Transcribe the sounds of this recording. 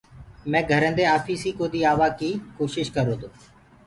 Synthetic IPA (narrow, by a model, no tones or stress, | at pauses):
mɛ̃ːɡʱəɾənd̪eːaːfiːsiːkoːd̪iːaːʋaːkiːkoːʃɪʃkəɾoːt̪oː